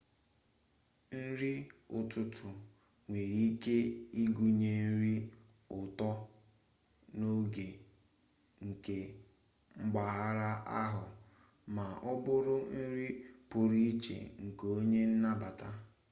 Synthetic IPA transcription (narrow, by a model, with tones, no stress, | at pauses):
n̩˦ɾi˦ʊ˨tʊ˦tʊ˨ | ŋʷe˨ɾi˦ke˦i˦ɡu˨ɲe˨n̩˦ɾi˦ | ʊ˨tɔ˦ | no˦ɡe˨ | ŋ̩˨ke˨ | ŋ͡m̩˦ɡ͡ba˨ɦa˦ɾa˦a˦ɦʊ˨ | ma˨ʔʊ˦bʊ˦ɾʊ˦n̩˦ɾi˦pʊ˨ɾi˦i˦t͡ʃḛ˨ŋ̩˨ko˦ɲe˦n̩˦na˦ba˨ta˦